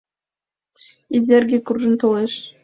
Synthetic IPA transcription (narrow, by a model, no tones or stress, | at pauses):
izʲerɡʲekurʒə̆nt̪ɤ̆lˠeʃ